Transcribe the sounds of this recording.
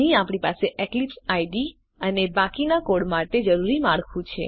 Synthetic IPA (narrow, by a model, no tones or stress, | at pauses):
ɦĩapɽ̃ipaseʔeklipsaiɖi | ənebakinakoɽmaʈed͡ʒəɾuɾimaɭkʰũt͡ʃʰḛ